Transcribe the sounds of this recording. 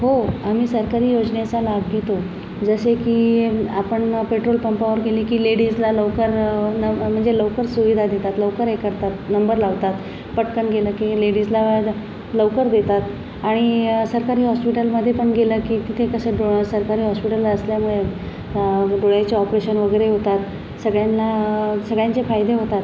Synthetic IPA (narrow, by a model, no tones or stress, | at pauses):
ɦoamiːsəɾkaɾiːjod͡znjat͡salabʱɡet̪o | d͡zəsekiːapəɳpeʈɾolpəmpaʋəɾkeliːkiːleɽid͡zlaləwkəɾnm̤əɳd͡zeləʋkəɾsuʋid̪ʱad̪et̪at̪ləʋkəɾekəɾt̪at̪nəmbəɾlaʋt̪at̪ | pəʈkəɳɡeləkileɽid͡zlaʋəd̪ | ləʋkəɾd̪et̪at̪ | aɽ̃isəɾkaɾiːɦɔspiʈəlməd̪ʱːjepəɳɡeləkiːt̪it̪ʰekəseɖoɭsəɾkaɾiːɦɔspiʈəlːaəsljamuɭe | ɖoɭajt͡ɕeɔpɾeɕənʋəɡəjɾeɦot̪at̪ | səɡɭjanlasəɡɭjãɲt͡sefajd̪eɦot̪at̪